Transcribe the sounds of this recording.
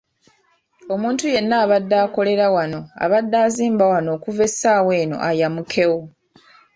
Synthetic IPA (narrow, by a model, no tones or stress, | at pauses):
o̞muːntuje̞nːaːβadːaːko̞le̞ɾawano̞a̰βadːaːziːmbawano̞ːkuve̞saːwe̞ːno̞̰ʔajamukʰe̞wo